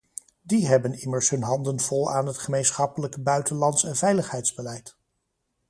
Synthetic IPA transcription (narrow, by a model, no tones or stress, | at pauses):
diɦɛbənɪməɹsɦɵnɦɑndənv̥ɔlˠa̰ːnɦətχəmejnsχɑpələkbœɥtənlɑntsɛnvɛjləχɦɛjtzbəlɛjt